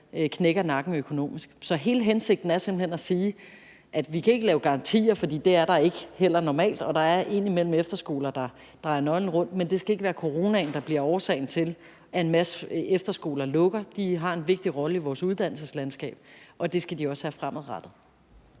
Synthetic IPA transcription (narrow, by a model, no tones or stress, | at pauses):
kʰneɡ̥ɐnɑ̈ɡ̥n̩økʰo̝no̝̰ːmisɡ̥sɒ̽ɦe̝ːləɦense̝ɡ̥̚d̥n̩æɐse̝mb̥l̩henæsiː | ʔæd̥ʋikʰæe̝ɡ̥əlɛːʊɡ̥ɑ̈ʁɑ̈nt͡sʰḭːɐfɒ̽d̥ḭːd̥e̝æɐɾ̥ɑ̈e̝ɡ̥hel̰ɐnɒmɛ̰ːld̥ɒ̽d̥ɑ̈æɐʔe̝nimel̰m̩efd̥ɐsɡ̥o̝̰ːlɐd̥ɑ̈ | d̥ʁɑ̈ɪɐnɒ̽ɪn̩ʁɔ̽n̰d̥mend̥e̝sɡ̥æe̝ɡ̥əʋæːɐkʰo̝ʁo̝ːnæn̩d̥ɑ̈b̥liɐɒːsɛ̰ɪn̩t͡sʰe̝l | ʔæe̝nmæsəefd̥ɐsɡ̥o̝̰ːlɐlɔ̽ɡ̥ɐd̥iɦɑ̈e̝nʋe̝ɡ̥̚d̥iʁɒ̽ləiʋɒːsuð̞ˠd̥æn̰l̩səslæn̰sɡ̥ɛ̰ːb̥ɒ̽d̥e̝sɡ̥æd̥iɒ̽sʋæːɐfʁamæð̩ˠʁɑd̥ð̩ˠ